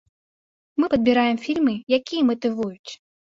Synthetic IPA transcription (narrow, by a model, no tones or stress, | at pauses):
mɨpɐd̪bʲiɾajɛmfʲilʲmɨjakʲijɐmɐt̪ɨvujut͡sʲ